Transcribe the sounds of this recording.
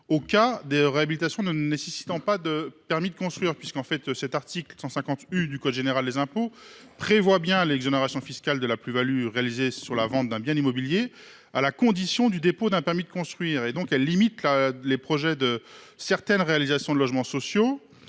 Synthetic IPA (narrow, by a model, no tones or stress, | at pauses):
okad̪eʁeabilit̪asjɔ̃nənesesi̥t̪ɑ̃pad̪əpɛʁmid̪əkɔ̃st̪χɥiʁpɥiskɑ̃fɛt̪sɛt̪aʁt̪iklsɑ̃sɛ̃kɑ̃t̪yd̪ykɔd̪ʒeneʁald̪ezɛ̃po | pχevwabjɛ̃lɛɡzoneʁasjɔ̃fiskʲald̪əlaplyvalyʁealizesyʁlavɑ̃t̪̚d̪ɛ̃bjɛ̃imɔbilje | alakɔ̃d̪isjɔ̃d̪yd̪epod̪ɛ̃pɛʁmid̪əkɔ̃st̪χɥiːʁed̪ɔ̃kɛlːimit̪lalepχɔʒɛd̪əsɛʁt̪ɛnʁealizasjɔ̃d̪əlɔʒmɑ̃sɔsjo